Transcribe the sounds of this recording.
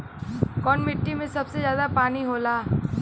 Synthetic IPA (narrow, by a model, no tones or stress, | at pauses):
kɔːnmɪʈːimẽsɐbsezjaːd̪apaːniɦoːlaː